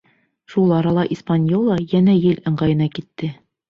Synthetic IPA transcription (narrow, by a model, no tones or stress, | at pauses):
ʃulˠɑɾɑlˠɑʔispanʲjolˠɑjænæjɘlɤ̆ɴɢɑjɤ̆nɑkit̪ːɘ